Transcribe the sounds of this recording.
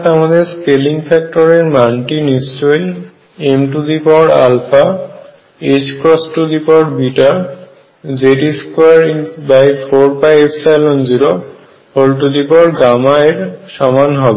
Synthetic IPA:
t̪amad̪eɾskeliŋfʰɛk̚ʈoɾeɾmanʈinist͡ɕojl | emʈud̪ipɔɾa̰lfʰa | ed͡ʑkɾɔsʈud̪ipɔɾbiʈaɾ | d͡ʑeʈiskwaɾibajfʰoɾpajepʰsalonziɾo | olʈud̪ipɔɾɡamaeɾʃɔmanɦɔbe

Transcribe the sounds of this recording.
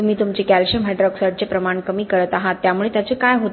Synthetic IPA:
um̤iːt̪umt͡ɕekælɕəmɦɛɖɾɔksəʈ̚t͡sepɾəmaɳkəmiːkəɾət̪aɦat̪ːjamuɭet̪jat͡sekajɦot̪

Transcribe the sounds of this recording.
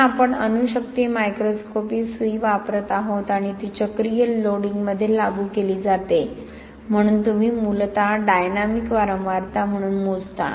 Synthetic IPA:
apəɳənuɕək̚t̪imajkɾoskopiːsʋuiʋapɾət̪aɦot̪aɽ̃it̪it͡ɕəkɾijəlːoɽiŋɡməd̪ʱːjelaɡuːkeliːd͡zat̪e | m̤əɽ̃uːnt̪um̤iːmult̪aɖajnamikʋaɾə̃wʋaɾt̪am̤əɽ̃uːnmod͡zt̪a̰

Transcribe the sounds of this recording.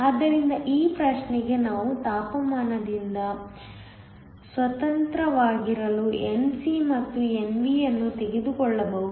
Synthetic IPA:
aːd̪ːɐɾind̪ɐʔiːpɾɐʃnɛɡe̞naːʋut̪aːpɐmaːnɐd̪ind̪ɐ | sʋɐt̪ɐnt̪ɾɐʋaːɡiɾɐluʔensimɐt̪ːue̞nʋijɐnːut̪e̞ɡed̪ukɔɭːɐbɐɦu

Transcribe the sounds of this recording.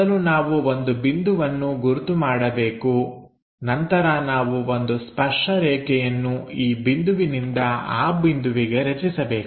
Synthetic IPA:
ɐlunaːʋuo̞nd̪ubind̪uʋɐnːuɡuɾut̪umaːɽɐbe̞ːku | nɐnt̪ɐɾɐnaːʋuo̞nd̪uspɐʂʈɐɾɛːkɛjɐnːuiːbind̪uʋinind̪ɐa̰ːbind̪uʋiɡe̞ɾɐt͡ʃisɐbe̞ːk

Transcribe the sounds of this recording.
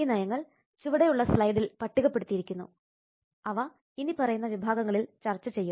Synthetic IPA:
inɐjɐŋːɐɭ | t͡ɕuʋiɽejuɭːɐslɐjd̪ilpɐʈːiɣɐpːe̞ɽut̪ːijiɾikʲːunːṵ | ɐʋɐ | inipɐrɐjunːɐʋibʱaːɡɐŋːɐɭilt͡ɕɐrt͡ɕːɐt͡ɕe̞jːum

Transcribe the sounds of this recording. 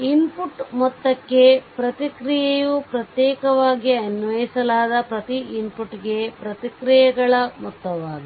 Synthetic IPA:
inpuʈmɔt̪ːɐkːe̞pɾɐt̪ikɾijejupɾɐt̪jɛːkɐʋaːɡiɐnʋɐjisɐlaːd̪ɐpɾɐt̪iinpuʈːɡe̞pɾɐt̪ikɾijɐɡɐɭɐmɔt̪ːɐʋaːɡ̪i

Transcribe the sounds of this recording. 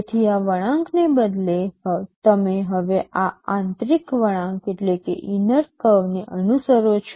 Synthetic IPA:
t̪ʰiaʋəɽ̃ãŋknebəd̪let̪əmeɦəʋeʔaãnt̪ɾikʋəɽ̃ãŋkeʈlekḛʔinəɾkəʋneʔənusəɾot͡ʃʰ

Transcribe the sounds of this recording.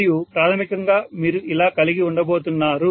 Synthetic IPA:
jupɾaːt̪ʰɐmikɐŋɡaːmiːɾuʔilaːkɐliɡiuɳɖɐboːt̪unːaːɾu

